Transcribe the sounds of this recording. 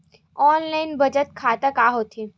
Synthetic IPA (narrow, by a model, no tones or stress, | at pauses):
ɔːnlaɪnbəd͡ʒət̪̚kʰaːt̪akaːɦoːt̪ʰiː